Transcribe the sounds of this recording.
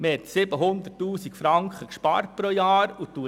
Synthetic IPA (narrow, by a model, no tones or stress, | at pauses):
məhɛt̪sɪbəɦʊnd̪ətːuːsikfɾɑŋkχəkʃpɑ̰ːɾt̚pɾojɑːɾut̪u